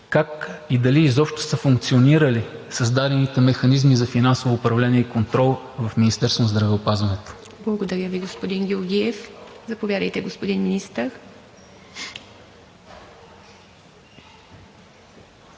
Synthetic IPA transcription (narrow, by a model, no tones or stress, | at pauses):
kakid̪ɐlizɔpʃt̪o̥səfʊŋkt̪sioniɾəlisɐzd̪ad̪ɛnit̪ɛmɛxɐnizmizɐfinansovoːpɾɐvlɛnʲiɛikont̪ɾɔlˠvɐfminist̪ɛɾsvonzd̪ɾɐvɛopazvɐnɛt̪o̥ | blˠɐɡod̪ɐɾʲəviɡospod̪inɡʲolɡʲiɛfzɐpovʲjad̪ə̰jt̪ɛɡospod̪inminist̪əɾ